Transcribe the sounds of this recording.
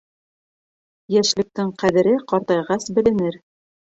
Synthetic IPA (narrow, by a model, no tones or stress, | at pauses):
jæʃlɘ̆k̚t̪ɘŋqæðɘ̆ɾɘqɒɾt̪ɑjʁɑsbɘ̆lɘ̆nɘɾ